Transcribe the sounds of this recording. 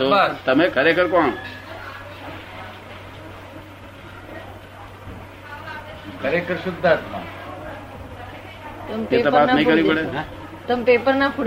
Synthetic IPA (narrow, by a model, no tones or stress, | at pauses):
ot̪əmekʰəɾekʰəɾkɔɳ | kʰəɾekʰəɾʃʊd̪ʱːat̪mã̰ | t̪əmeeəpat̪nəɦĩkəɾʋippəɽe | t̪əmpepəɾnapu